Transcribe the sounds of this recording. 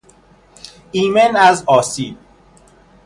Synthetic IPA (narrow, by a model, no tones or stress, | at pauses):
iːmenæzɒːsiːd̪̚